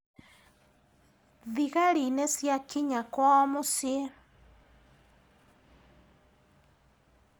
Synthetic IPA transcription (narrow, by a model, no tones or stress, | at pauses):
ðiɣaɾinesjakiɲakwaɔmosie